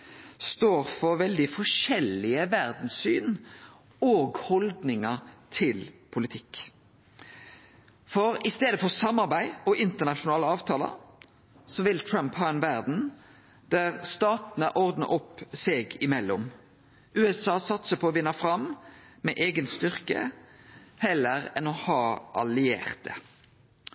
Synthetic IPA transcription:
st̪oːɾfɔɾʋɛld̪ɪfɔʃɛlːɪəʋæʁd̪n̩syːn | oːɡhɔld̪nɪŋət̪ʰɪlpʰʊlɪt̪ʰɪk | fɔɾɪst̪eːd̪əfɔʁsɑmːɑʁbæɪɔʔɪnt̪əʁnɑʃʊnɑːləɑːʋt̪ʰɑːlə̰ | sɔʋɪlt̪ʰɹœmphɑːɛnʋæʁd̪n̩ | d̪̥æʁst̪ɑːt̪nəʔɔʁd̪nə̰ʔʊpːsɛɡɪmɛlːʊm | ʉːɛsɑːsɑt̪səpʰɔːʋɪnːɑfɾɑm | mɛʔeːɡənst̪ʏʁkə̰ | hɛlːəʁɛnɔhɑːʔɑ̰lɪḛːʁt̪ə̰

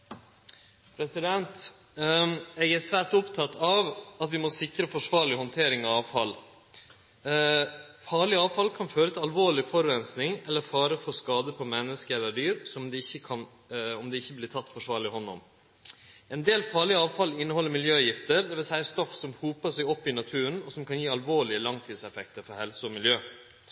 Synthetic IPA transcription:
pʰɾɛsɪd̪ɛnt̪ | ɛɡæʂʋæːɾʈʊpt̪ʰɑt̪ʰɑʋɑt̪ʋɪmɔsɪkɾəfɔʂʋɑːɭɪhɔnt̪ʰeːɾɪŋɑʋɑːʋfɑl | fɑːɭɪɑːʋfɑlkʰɑnføːɾət̪ʰɪlɑlʋoːɭɪfɔɾʉɛnsnɪŋɛlːəɾfɑːɾəfɔɾskɑːd̪əpʰɔmɛnːəskəɛlːəɖyːɾsɔmd̪ɛɪçːəkʰɑn | ɔmd̪ɛɪçːəblɪt̪ʰɑt̪ːfɔʂʋɑːɾɭɪɦɔnːɔ̰m | ɛnd̪eːlfɑːɭɪəɑːʋfɑlɪnːəhɔlːəɾmɪljøːjɪft̪əɾd̪ɛʋɪlsæɪəst̪ɔfsɔmhuːpəʂɛɪɔpːɪnɑt̪ʰʉːɾənɔsɔmkʰɑnjiːɑlʋoːɭɪəlɑŋt̪ʰiːd̪sɛfɛkt̪əɾfɔɾhɛlsʊɔmɪljøː

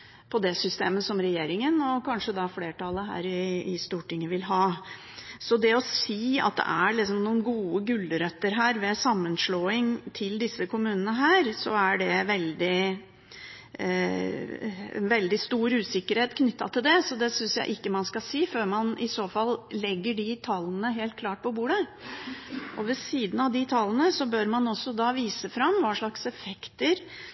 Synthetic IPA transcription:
pʰɔd̪ɛsʏst̪eːməsɔmɾɛjeːɾɪŋənɔkʰɑnʂəd̪ɑfleːʈɑlːəɦæ̰ːɾɪɪst̪uːʈɪŋːəʋɪlɦɑː | sɔd̪ɛɔsiːɑ̰t̪̚d̪ɛ̰ʔæɭɪsɔmnuːənɡuːəɡʉlːəɾœt̪ːəɾɦæːɾʋɛsɑmːənʂɭoːɪŋt̪ʰɪld̪ɪsːəkʊmʉːnənəɦæːɾsɔæɖɛʋɛld̪ɪ | ɛ̰nʋɛld̪ɪst̪uːɾʉːsɪkːəɾheːt̪kʰnʏt̪ːɑ̰t̪ʰɪld̪ɛsɔd̪ɛsʏnsjæ̰ɪʔɪkːəmɑnskɑsiːføːɾmɑnɪsoːfɑllɛɡːəɖɪt̪ʰɑlnəɦeːlt̪̚kʰlɑːʈ̚pʰɔbuːɖə | ʔɔʋɛsiːd̪ənɑʋd̪ɪt̪ʰɑlːn̩əsɔbøɾmɑnɔsːɔd̪ɑːʋiːsəfɾɑmːʋɑːʂɭɑksɛfɛkt̪əɾ

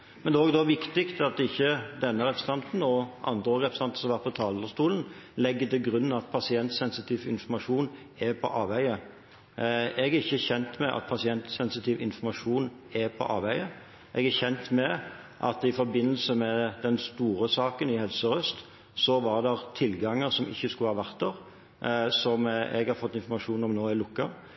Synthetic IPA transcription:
mɛnd̪ɛoːɡd̪ɔʋɪkt̪ɪkt̪ɑt̪ɪçːəd̪ɛnːəɾɛpɾəst̪ɑnt̪n̩ɔʔɑ̰nd̪ʁəʁɛpɾsɑnt̪ə̥sɔmʋɑʁt̪̚pʰɔt̪ʰɑːld̪əst̪uːln̩lɛɡːət̪ɪlɡɾʉnːnɑt̪̚pʰɑsɪɛnt̪sɛnsɪt̪ʰiːʋɪnfɔɾmɑʂuːn | ɛpʰɔ̰ʔɑːʋæɪə | ɛɡæɾɪçːəçɛnt̪mɛʔɑ̰t̪̚pʰɑsɪɛnt̪sɛnsɪt̪ʰiːʋɪnfɔmɑʂuːn | ɛpʰɔ̰ʔɑ̰ːʋæɪə | ʔɛɡæçɛnt̪mɛ | ʔɑ̰t̪ɪfɔɾbɪnːəlsəmɛd̪ɛnst̪uːɾəsɑːkənɪhɛlsəɾœst̪ | sɔʋɑʁd̪ɛʁt̪ʰɪlɡɑŋːəsɔmɪ̰çːəskʉləhɑːʋæʁt̪øːʁ | sɔmɛ̰ɡhɑɾfɔt̪ːɪnfɔɾmɑʂuːnɔmnoːɪlʊkːəʁ

